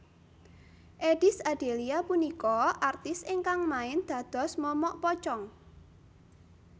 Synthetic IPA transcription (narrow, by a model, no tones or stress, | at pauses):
ʔeɖ̥ɪsaɖ̥eliapunikɔʔart̪ɪsɪŋkaŋmaɪnd̪̥ä̤d̪̥ɔ̤smɔmɔʔpɔt͡ʃɔŋ